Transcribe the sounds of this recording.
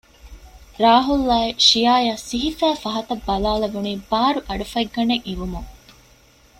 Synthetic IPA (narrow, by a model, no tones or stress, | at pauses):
ɾaːɦulːaːeʃijaːjaːsiɦifæːfɐɦɐt̪ɐbːɐlaːlɐʋuniːbaːɾuʔɐɖufɐiɡːɐneŋʔiʋumuŋ